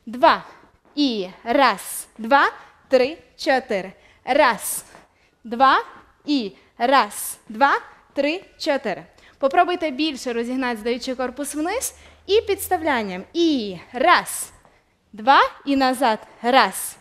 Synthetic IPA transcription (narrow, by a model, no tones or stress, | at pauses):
d̪ʋɑ | irɑsd̪ʋɑ | t̪ɾɪ | t͡ʃɔt̪ɪɾɪ | rɑs | d̪ʋɑ | i | rɑsd̪ʋɑ | t̪ɾɪt͡ʃɔt̪ɪɾɪ | pɔpɾɔbʊjt̪ɛbʲilʲʃɛɾɔzʲiɦnɑtʲd̪ɐjut͡ʃɪjkɔrpʊswnɪs | ipʲit̪st̪ɐwlʲanʲːɐmirɑz̥ | d̪ʋɑinɐzɑt̪ɾɑs